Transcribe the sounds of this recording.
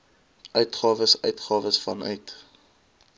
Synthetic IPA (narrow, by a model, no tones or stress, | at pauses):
ʔœɥtχɑːvəsœ̰ɥtχɑːvəsfɐnœ̰ɥt